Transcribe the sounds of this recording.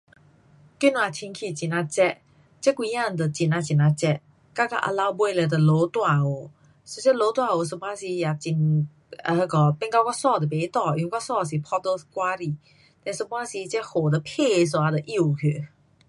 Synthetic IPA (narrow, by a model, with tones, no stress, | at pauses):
ki˥˨na˨t̪ʰi˧nkʰi˧˨˩t͡ɕi˨na˧t͡ɕɛ˧ʔ | t͡ɕɛ˦˥kwi˧˦jã˥˧˨nd̪ə˨t͡ɕi˨˩na˧t͡ɕi˨˩na˧t͡ɕɛ˧ʔ | ka˥˧ka˧ʔə̰˧la˧˦wbwe˧˨lɛ˧d̪ə˨lo˨˦t̪wa˧˨o˨˩ | so˧t͡ɕɛ˥lo˧˦t̪wa˧˨o˨˩s̬ə˧˨pwa˦˥si˧ja˨t͡ɕi˧˩n | ə˧kɔ˧˩pɛ˥˧nka˧wkɔ˦˥sɔ˥˧˨d̪ə˨˩be˨˦t̪ɔ˥˧˨ju˧˨nkɔ˥˦˥sɔ˥˧˨s̬i˨pʰɔ˦d̪o˧˦skwa˦ɾi˧˨ | t̪ɛ̃˧˨nsə˧pwa˦˥si˧˦t͡ɕɛ˦˥ʔho˨˩d̪ə˨pʰe˥˧˨s̬o˨˧a˧d̪ə˨ʔi˥˩˨kʰø˧˨